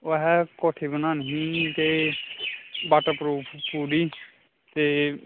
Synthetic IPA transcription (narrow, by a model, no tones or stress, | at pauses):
oɦɛkoːʈʰebənaːnəɦĩt̪e | baːʈapɾuːpʰpuːɖi | t̪e